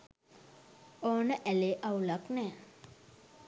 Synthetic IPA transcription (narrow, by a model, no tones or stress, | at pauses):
oːnəʔæleːʔaulaknɛː